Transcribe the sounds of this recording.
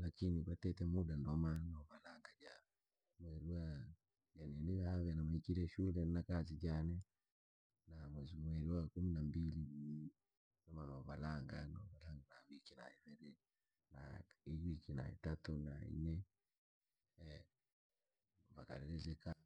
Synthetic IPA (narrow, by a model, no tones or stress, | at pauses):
lakiniβatɛtɛmudandɔmanɔβalaŋɡad͡ʒa | mwɛɾiwa | d͡ʒanɛniβahaβɛnamaikiɾɛʃulɛnakazid͡ʒanɛ | namwɛzumwɛɾuwakuminambili | ndɔmanɔβalaŋɡanɔβalaŋɡanawikina̰iβɛɾɛ | naijikina̰ḭtatuna̰ḭnɛ | vaka̰ɾɛɾɛzɛka